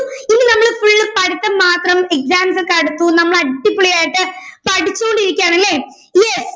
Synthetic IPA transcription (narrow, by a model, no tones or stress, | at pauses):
inːɨnɐmːɐɭfuɭːɨpɐɽit̪ːɐmaːt̪rɐmek̚saːmsɐkɐɽut̪ːunɐmːɐɭɐɽʈːipːuɭijaːjiʈːɨpɐɽit͡ɕːukoɳɖiɾikʲːaːɳɐlːeː | jes